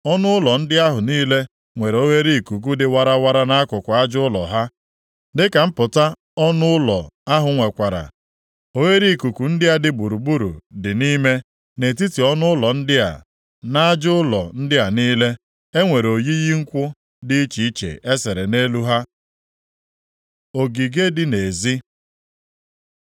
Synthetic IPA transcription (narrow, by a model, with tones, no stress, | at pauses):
ɔ˦nʊ˦ʊ˦lɔ˨n̩˦dɪ˦a˦ɦʊ˨niː˦le˦ | ŋʷe˨ɾe˨o˦we˦ɾi˦˨ku˨k̬u˦dɪ˨wa˦ɾa˦wa˦ɾa˦na˦kʊ˨kʷʊ˨a˦d͡ʒʊ˦ʊ˦lɔ̰˨ɦa˦ | dɪ˦ka˨m̩˦pʊ˨ta˦ | ɔ˦nʊ˦ʊ˦lɔ̰˨a˦ɦʊ˨ŋʷe˨kʷa˨ɾa̰˨ | o˦we˦ɾi˦˨ku˨ku˨n̩˦dɪ˦a˦dɪ˨bu˨ɾu˨bu˦ɾṵ˨dɪ˨niː˦me˦ | ne˨t̬i˦ti˨ɔ˦nʊ˦ʊ˦lɔ˨n̩˦dɪ˦a̰˨ | na˦a˦d͡ʒʊ˦ʊ˦lɔ˨n̩˦dɪ˦a˨niː˦le˦ | e˦ŋʷe˨ɾo˨ji˦ji˦ŋ̩˦kʷʊ˦ | dɪ˦i˦t͡ʃi˨i˦t͡ʃḛ˨ʔe˦se˨ɾe˨ne˦lu˦ɦa˦ | o˨ɡi˨ɡe˦dɪ˦ne˨zi˦